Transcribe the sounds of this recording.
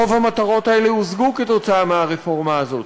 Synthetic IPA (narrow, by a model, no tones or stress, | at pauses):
ovhamat̪aʁo̞t̪hae̞leuzɡuke̞t̪o̞t͡saameaʁefo̞ʁmaːzo̞t̪